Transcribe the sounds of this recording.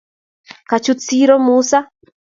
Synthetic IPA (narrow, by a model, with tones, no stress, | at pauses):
ka˨t͡ʃut͡si˦ɾɔ˦musa˦